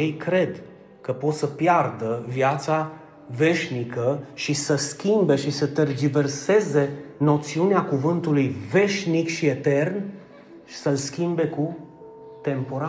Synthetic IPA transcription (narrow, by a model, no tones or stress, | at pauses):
jejkɾe̞d̪ | kəpo̞t̪səpjard̪əvjat̪sa | ve̞ʃnikəʃisəskʲimbe̞ʃisət̪erd͡ʒive̞rse̞ze̞no̞t̪siuneakuvɨnt̪ulujve̞ʃnikʃie̞t̪e̞rn | ʃi̥səlskʲimbe̞ku | t̪e̞mpo̞ɾa